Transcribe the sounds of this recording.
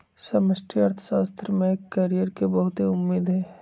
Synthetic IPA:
sɐməsʈʰiɐɾt̪ʰə̥ʃaːst̪ʰɾmẽkːɐɾijəɾkebɐɦʊt̪ɦeʊmːeːd̪ɦɛ̃ː

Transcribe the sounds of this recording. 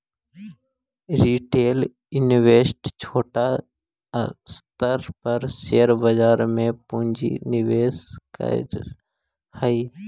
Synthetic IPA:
ɾiːʈeːl | ɪnʋeːsʈt͡ʃʰoːʈa | st̪əɾpəɾseːəɾbəd͡ʒaːɾmẽpũːɲd͡ʒḭnɪʋeːskə̰ | həiː

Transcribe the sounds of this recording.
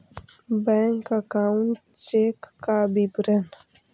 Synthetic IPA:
bɛ̃ːŋkəkaːuɳʈ | t͡ʃeːkːabibɾən

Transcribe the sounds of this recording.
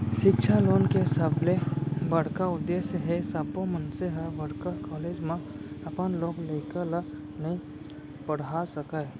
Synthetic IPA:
ʃɪkt͡ʃʰaloːnkesəblebəɽ̤kaʊd̪ːeːsjəɦesəbomənseɦəʋəɽkəkɔːleːd͡ʒmã | ɐpənloːɡleːkəl | nəɦĩ | pəɽ̤asəka

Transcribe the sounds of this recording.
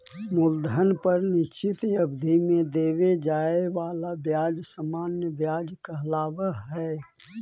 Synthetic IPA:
mʊld̪ʱənpəɾnɪt͡ʃɪt̪jəbd̪ʱimẽd̪eːwed͡ʒaːeʋaːlabjaːd͡ʒsəmaːnjəbjaːd͡ʒkəɦlaːʋaɦɛː

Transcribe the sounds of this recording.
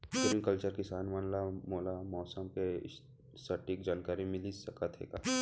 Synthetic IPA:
pɪɾĩŋkəlt͡ʃəɾkɪsaːnmanlamoːlamɔːsəmke | sɐʈːik̚d͡ʒaːnkaːɾimɪlisɐkət̪ɦḛːɡa

